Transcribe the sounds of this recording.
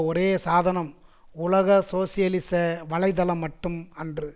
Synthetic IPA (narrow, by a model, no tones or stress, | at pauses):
ɔɾeːsaːðɐnɐm | ʊlɐɣɐsoːsɪjɐlɪsɐʋɐɭɐɪðɐlɐmːɐʈːɯmɐndrɯ